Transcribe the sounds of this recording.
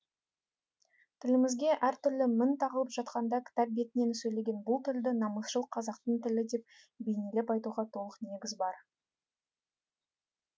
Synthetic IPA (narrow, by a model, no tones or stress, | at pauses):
t̪ʰɪlɪmɪzɡʲe̞ʔæɾt̪ʏɾlɪmɪnt̪ʰɑʁəlˠəpʒɑt̪qɑnd̪ɑkʲʰɪ̥t̪ɑp̚be̞t̪ɪne̞nsɵjle̞ɡʲe̞nbʊlˠt̪ʰɪld̪ɪnɑməsʃəlˠəqʰɑzɑqt̪əɴt̪ɪlɪd̪e̞p̚ | bejnele̞pɑjt̪uʁɑt̪ʰo̞lˠəqne̞ɡʲɪzbɑɾ